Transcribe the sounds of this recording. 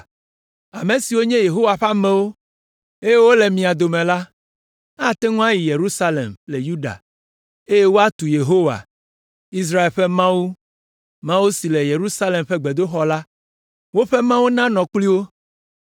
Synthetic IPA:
a˨mẽ˨si˨wo˦ɲɛ̃˦je˨ɦo˦wa˨ɸa˦mɛ̃˦wo˦ | e˦je˦wo˦le˨mĩ˨a˨d̪o˨mẽ˨la˦ | a˦˨t̪ɛ˦ŋũ˦a˦ji˨je˨ɾu˦sa˦lḛ˨mle˨ju˦ɖa̰˨ | e˦je˦wo˦a˦t̪u˨je˨ɦo˦wa̰˨ | i˦s̬ɾa˦e˨lɸe˦mã˦wu˦ | mã˦wu˦si˨le˨je˨ɾu˦sa˦le˨mɸɛ˦ɡ͡be˨d̪o˦xɔ˦la˦ | wo˦ɸe˦mã˦wu˦nã˦nɔ̃˨k͡pli˦wo˦

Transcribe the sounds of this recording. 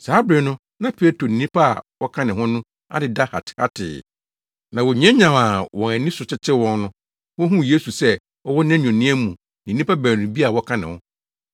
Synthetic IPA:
saː˨˦bɾɪ˨nʊ̃˦ | nã˦pʰi˨˦la˦tʰɾo˨nĩ˨nĩ˦pʰa˦a̰˨wɔ˦kʰã˦nɪ̃˨ɦʊ̃˦nʊ̃˦ | a̰˦dɪ˨da˦ha̰˨tʰha̰˦tʰɪ̰ː˨ | nã˨wɔ˨ɲ˦ɛ̃˦ɲã˨ma˨wɔ̃˨æ˨nĩ˦sʊ˨t͡ɕʰɪ˦t͡ɕʰɪ˦wɔ̃˦nnʊ̃˦ | wɔ̃˦ɦũ˦˨je˦su˨sɛ˦ | ɔ˦wɔ˦nɛ̃˦ɲᶣũ˨nĩ˦ɛ˦mũ˨ | nĩ˨nĩ˦pa˦bæː˨nũ˨bi˦a˨wɔ˦kʰã˦nɪ̃˨hʊ̰̃˦

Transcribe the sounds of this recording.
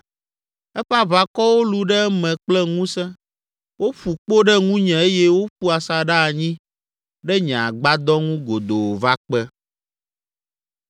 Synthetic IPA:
ɛ˦ɸa˦βa˦kɔ˦wo˦lu˨ɖɛ˦mɛ̃˨k͡plɛ˦ŋũ˦sɛ̃˦ | wʔo˦ɸu˨k͡po˦ɖɛ˦ŋũ˦ɲɛ̃˨e˦jɛ˦wo˦ɸu˦a˨sa˨ɖa˦˨ɲĩ˦ | ɖɛ˦ɲɛ̃˨a˨ɡ͡ba˦d̪ɔ˦ŋũ˦ɡo˨d̪o˨wo˨va˦k͡pɛ˦

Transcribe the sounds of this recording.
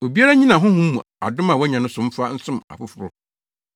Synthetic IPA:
o˨bi˦a˦ɾa˦ɲĩ˦nã˨ɦʊ̃˦hũ˦mː˦ũ˨a̰˨dʊ̃˦mã˨wɔ˦ɲã˨nʊ̃˦sʊ̃˨m̩˦fa˦n̩˦sʊ̃˦ma̰˨fʊ˦fʊ˦ɾʊ˦

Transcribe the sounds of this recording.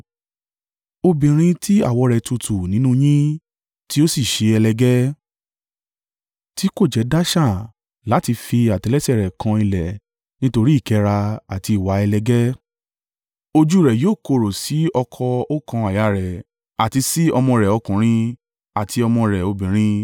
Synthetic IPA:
o˧bĩ˨ɾ̃ĩ˧tʰi˦a̰˦˨wɔ˨˧ɾɛ˨tu˧tʰu˨nĩ˨˦nũ˦j̃ĩ˦ | ti˦o˦si˦˨ʃe˧ɛ˧lɛ˧ɡɛ˦ | ti˨˦ko˦˨d͡ʒɛ˨˦da˦ʃa˦˨ | la˨˦ti˧fi˧a˨tɛ˨˧lɛ˦sɛ˦˨ɾɛ˨kʰã˧˦i˧lɛ˨ | nĩ˦to˧ɾi˦i˦˨kɛ˧˦ɾa˧a˨ti˧i˨wa˨˦ɛ˧lɛ˧ɡɛ˦ | o˧d͡ʒu˦i˦ɾɛ˨joː˦˨ko˧˨ɾo˨si˨˦ɔ˧kʰɔ˧o˦kã˧a˨ja˨˦˨ɾɛ˨ | a˨ti˧si˦ɔ˧mɔ̃˧ɾɛ˨ɔ˧kũ˨ɾ̃ĩ˧ | a˨tʰi˧ɔ˧mɔ̃˧ɾɛ˨o˧bĩ˨ɾ̃ĩ˧

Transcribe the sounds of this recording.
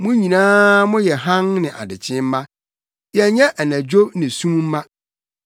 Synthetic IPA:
mʊ̃˦ɲĩ˨nãː˦mʊ̃˦jɛ˨ɦã˦ŋnɪ̃˨ʔa̰˨dɪ˨t͡ɕʰɪ̃˦m̩˦mã˦ | jɛ˨ɲɛ̃˦ʔæ˨næ̃˨d͡ʑᶣo˦bnɪ̃˨sũ˦m˦m̩˦mã˦

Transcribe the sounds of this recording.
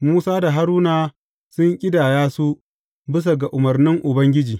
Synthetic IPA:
muː˦saː˦da˨ɦa˦ɾuː˦naː˨ | sʊ˦ŋkʲʼɪ˦daː˨jaː˦su˦ | bɪ˦s̬a˨ɡa˨ʔʊ˨mɐ˨rnɪ˦ŋʔʊ˨bɐ˦ŋɡʲɪ˦d͡ʒiː˨

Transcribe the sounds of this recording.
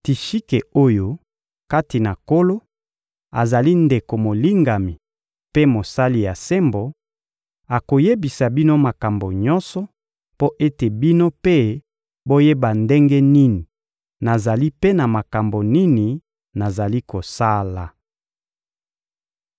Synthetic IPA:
ti˨ʃi˦ke˨o˦jo˦ | ka˦ti˨na˨ko˦lo˦ | a˨za˨li˦nde˨ko˨mo˨li˦ŋɡa˨mi˨ | pe˦mo˨sa˦li˨ja˨se˦mbo˨ | a˨ko˨je˦bi˨sa˨bi˦no˦ma˨ka˨mbo˨ɲɔ˦nsɔ˨ | po˦ʔe˦te˨bi˦no˦pe˦ | bo˦je˦ba˨nde˦ŋɡɛ˦ni˦ni˨ | na˨za˨li˦pe˦na˨ma˨ka˨mbo˨ni˦ni˨ | na˨za˨li˦ko˨sa˦la˨

